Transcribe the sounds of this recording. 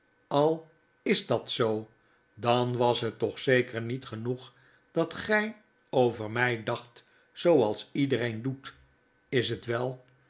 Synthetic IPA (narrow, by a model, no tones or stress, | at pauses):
ɑlˠ | ɪzdɑtsow | dɑnʋɑsɦətɔχsejkəɹnitχənuχ | d̥ɑtχɛj | owvəɹmɛjdɑχt | sowɑlˠsidəɾejndut | ɪsɦətʋɛlˠ